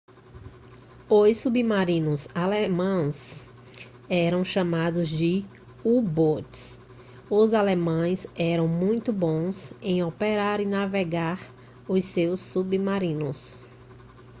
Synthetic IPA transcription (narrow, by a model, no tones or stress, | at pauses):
osubimaɾĩnʊzalemɐ̃s | ɛɾɐ̃w̃ʃɐ̃mad̪ʊzd͡ʒɪ | ubots | ʊzalemɐ̃j̃zɛɾɐ̃w̃mũj̃t̪ʊbõsẽj̃opeɾaɾɪnaveɡaɾ | ʊsewsːubimaɾĩnʊs